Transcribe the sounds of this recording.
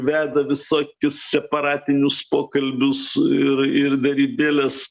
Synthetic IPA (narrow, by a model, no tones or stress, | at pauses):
ʋʲæːd̪ɐʋʲɪsoːkʲʊssʲɛpɐɾɑːt̪ʲɪnʲʊspoːkɐlʲbʲʊsɪɾɪrd̪ɐɾʲiːbʲeːlʲɛs